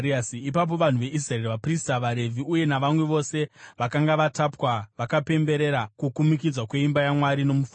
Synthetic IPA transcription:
iasiipap̬o̞ʋan̤uʋe̞ʔis̬raerʋapristaʋaɾe̞vʱiuje̞naʋamwe̞ʋo̞se̞ʋakaŋɡaʋatapwaʋakape̞mbe̞ɾe̞ɾakukumikid͡zwakwe̞imbajamwaɾino̞muf

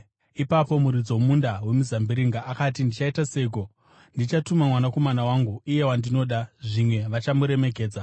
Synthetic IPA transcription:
ipapo̞muɾid͡zomundawe̞muzambiɾiŋɡaʔːkatindit͡ʃaitase̞iɡo̞ | ndit͡ʃatumamwanako̞manawaŋɡuije̞wandino̞ːɗaʐimwe̞ʋat͡ʃamuɾe̞me̞ɡʱe̞ːd͡za

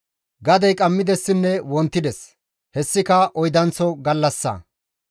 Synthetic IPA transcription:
ɡɐd̪ɐjkʼɐmːɪd̪ɛsːɪnːɛwɔnt̪ːɪd̪ɛs | hɛsːɪkɐʔɔjd̪ɐnt͡sɔɡɐlːɐsːɐ̰

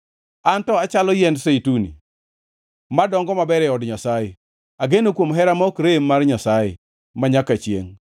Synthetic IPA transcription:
antɔat͡ʃalɔjɛndseitunḭ | madɔŋɡɔmabɛɾɛɔdɲasajɪ | aɡenokwomɦɛɾamɔkɾemːarɲasajɪ̰ | maɲakat͡ʃjḛŋ

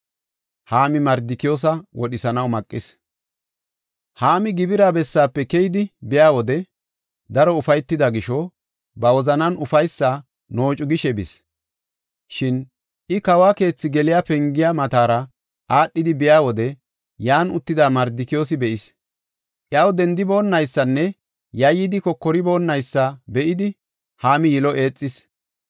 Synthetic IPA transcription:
haːmɪmɐɾd̪ɪkɪjo̞ːs̬ɐwɔɗɪsɐnɐwmɐkʼːɪs | haːmɪɡɪbɪɾaːbɛsːaːpːɛkɛjɪd̪ɪbɪjaːwɔd̪ɛ | d̪ɐɾɔʊfɐjt̪ːɪd̪ɐɡɪʃɔ | bɐwɔzɐnɐnʊfɐjsːa | no̞ːt͡ʃʼʊɡɪʃɛbɪs | ʃɪn | ʔɪkɐwaːke̞ːt͡sːɪɡɛlɪjapɛŋɡɪjamɐt̪aːɾɐ | ʔaːɗːɪd̪ɪbɪjaːwɔd̪ɛ | jaːnʊt̪ːɪd̪aːmɐɾd̪ɪkɪjoːs̬ɪbɛʔɪs | ʔjɐwd̪ɛnd̪ɪbo̞ːnːɐjsːɐnːɛ | jɐjːɪd̪ɪkɔkːɔɾɪbo̞ːnːɐjsːɐbɛʔɪd̪ɪ | haːmɪjɪlɔʔe̞ːt͡sʼːɪs

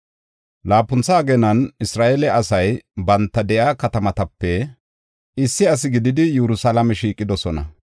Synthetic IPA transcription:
laːpːʊnt͡sːaːɡɛnɐnɪsɾaːʔɛlɛʔɐsɐjbɐnt̪ːɐd̪ɛʔaːkɐt̪ɐmɐt̪ɐpːɛ | ʔɪsːɪɐs̬ɪɡɪd̪ɪd̪ɪjɛɾʊsalɐmɛʃiːkʼːɪd̪ɔsɔnɐ̰

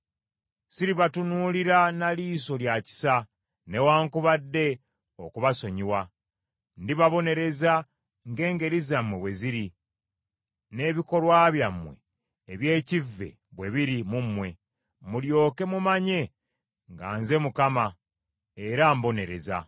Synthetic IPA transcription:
siɾiβatunuliɾanaliːso̞ljaci̥sa | ne̞waːŋkuβadːe̞ | okuβaso̞ɲiwa | ndiβaβo̞ne̞ɾe̞za | ŋɡe̞ːŋɡe̞ɾizamweβwe̞ziɾi | ne̞βiko̞lwaβjamwḛː | βje̞ːcivːe̞̰ | βwe̞βiɾimumwe̞ | muljo̞ːke̞mumaɲe̞ | ŋɡa̰ːnze̞mukama | eɾambone̞ɾe̞̰za̰

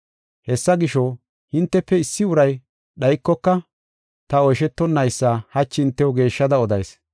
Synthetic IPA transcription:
hɛsːɐɡɪʃo | hɪnt̪ːɛpːɛɪsːɪʊɾɐj | ɗɐjkːɔkːɐ | t̪ɐɔjʃɛt̪ːɔnːɐjsːaːhɐt͡ʃːɪɪnt̪ːɛwɡe̞ːʃːɐd̪ɐɔd̪ɐjs

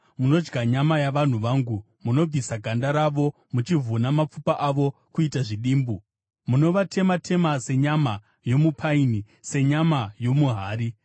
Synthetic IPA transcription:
muno̞d͡ʒɡaɲamajaʋan̤uʋaːŋɡu | muno̞b͡visaɡʱandaɾaʋo̞ | mut͡ʃivʱunamap͡fupaʔaʋo̞kuitaʐiɗiːmbu | muno̞ʋatʰe̞matʰe̞mase̞ɲama | jo̞mupʰaini | se̞ɲamajo̞muɦaːɾi

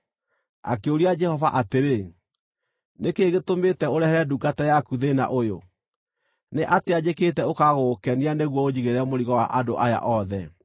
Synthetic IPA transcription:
a̰keoɾiad͡ʒɛhɔvaʔateɾe | nekeɣetometɛoɾɛhɛɾɛduɡatɛjakuðena̰ʔojo̰ | neʔatead͡ʑeketɛokaɣokɛnianeɣwɔod͡ʑiɣeɾɛmoɾiɣɔwa̰ʔadoʔaja̰ʔɔðɛ

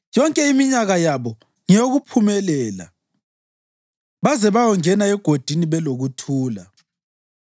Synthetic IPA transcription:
jɔŋkʼɛimiɲaɣajaβɔ | ŋijoɣupʰumɛlɛːla̰ | βazɛβajɔŋɛnaɛɡ̥ʱod̥ʱiniβɛloɣutʰuːla̰

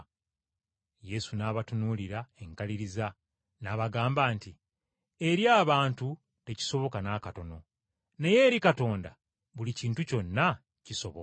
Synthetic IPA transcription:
je̞sunaːβatunuːliɾae̞ŋkaliɾiza | naːβaɡaːmbaːnti | e̞ɾjaːβaːntu | te̞ci̥so̞βo̞kanaːkato̞no̞ | ne̞je̞ːɾikato̞ːnda̰ | βuliciːntuco̞nːa | ciso̞βo

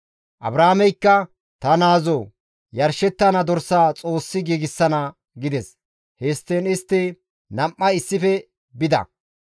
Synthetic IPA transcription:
ʔɐ̰bɾaːmɛjkːɐ | t̪ɐnaːzoː | jɐɾʃɛt̪ːɐnɐd̪ɔɾsːaːt͡sʼo̞ːsːɪɡiːɡɪsːɐnɐ | ɡɪd̪ɛs | hest̪ːeːnɪst̪ːɪ | nɐmːɐɪsːɪfɛ | bɪd̪ɐ̰

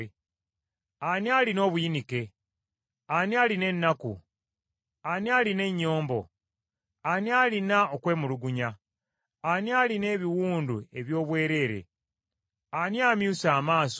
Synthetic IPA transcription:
anialino̞ːβuinike̞ | aniaːline̞nːakṵ | anialine̞ɲːo̞ːmbo̞ | anialinaokwe̞ːmuluɡuɲa | anialine̞ːβiwuːndue̞βjo̞ːβwe̞ːɾe̞ːɾe̞̰ | aniaːmjuːsaːmaːs

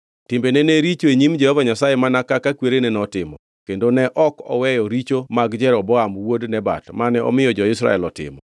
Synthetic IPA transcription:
tɪmbeneneɾit͡ʃoeɲimd͡ʒɛhɔvaɲasajemanakakakweɾenɛnɔtɪmɔ | kendonɛʔɔkɔ̰wɛjɔɾit͡ʃomaɡd͡ʒɛɾɔbɔamwodnɛba̰tmanɛɔ̰mɪjɔd͡ʒɔɪsɾa̰ɛlɔtɪ̰mɔ

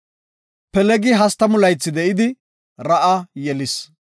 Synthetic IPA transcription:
pɛlɛɡɪɦɐst̪ɐmʊlɐjt͡sːɪd̪ɛʔɪd̪ɪ | ɾɐʔɐjɛlɪs

